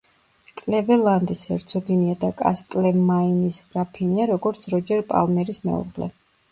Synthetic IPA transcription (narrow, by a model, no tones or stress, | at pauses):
kʼlɛvɛlˠand̪ishɛɾt̪sʰɔɡiniad̪akʼa̰st̪ʼlɛmːainisɡ̥ɾapʰiniaɾɔɡɔɾt̪sʰɾɔd͡ʒɛɾpʼa̰lˠmɛɾismɛ̰ṵʁlɛ̰